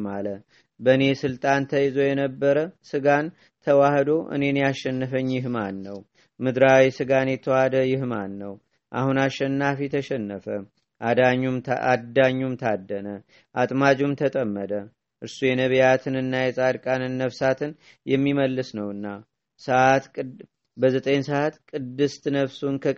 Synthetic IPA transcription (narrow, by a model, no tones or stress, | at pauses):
malə | bəne̞sɨlt̪ʼant̪ʰəjzo̞jɛnəbːəɾəsɨɡan | t̪ʰəwahd̪o̞ʔɨ̰ne̞njaʃːɛnːəfəɲːjɪɦmanːəw | mɨd̪ɾawisɨɡanjɛt̪ʰəwahd̪əjɪhmanːəw | ʔa̰hunaʃːɛnːafit̪ʰəʃɛnːəfə | ʔdɲumad̪ːaɲːumt̪ʰad̪ːənə | ʔat̪ʼmad͡ʒumt̪ʰət̪ʼəmːəd̪ə | ʔɨɾsujɛnəβjat̪ʰɨnɨnːajɛsʼaɾkʼanɨnːəβsat̪ʰɨn | jɛmːiməlːɨsnəwɨnːa | səʔat̪ | bəzət̪ʼənsəʔat̪kʼɨd̪ːɨst̪ʰɨnəβsunkʰə